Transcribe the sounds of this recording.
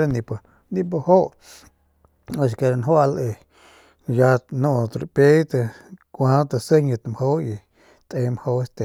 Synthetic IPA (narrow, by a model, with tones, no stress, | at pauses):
ɾa˦nĩ˧p | nĩ˧p̬a˧ho˦ʔ | o˧˨ʃke˧ɾa˧nɦwa˧le˧ | ja˧nõ˧˨t̪ɾpe˦t̪ə˧kʷã˧˦t̪a˧sə˦ɲə̃˧t̪a˧mho˦i˧ | t̪ʼʔẽ˧˦m˧ho˧˦e˧˦st̪e˨